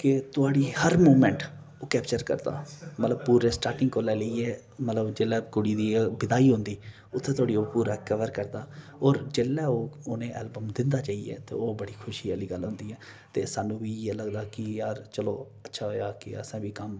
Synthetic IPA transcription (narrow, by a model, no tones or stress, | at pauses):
kɪt̪ʊaːɽiːhəɾmoːmɛ̃ːɳʈ | oːkɛːpt͡ʃəɾkə̰ɾd̪a̰ːmət̪ləb̚puːɾeːsʈaːɾʈɪ̃ŋɡkoːlɛːləiɛː | mət̪ləbd͡ʒeːlːɛːkʊɽiːd̪iːbɪd̪aːiːɦʊ̃nd̪iː | ʊt̪ʰːẽːt̪ʊaːɽiːoːpuːɾaːkəʋəɾkəɾd̪aː | ɔːɾd͡ʒeːlːɛːoːoːnẽːʔɛ̰ːlbəmd̪ɪnd̪aːt͡ʃaːiːɛ̰ːt̪ḛːoːbəɽiːkʰʊʃiːaːliːɡəlɦʊ̃nd̪iːɛː | t̪eːsaːnũːbiːɛːləɡd̪aːkɪjaːɾt͡ʃəloː | ətːʃʰaːɦoːjaːkɪ̰ə̰sãːʋiːkəm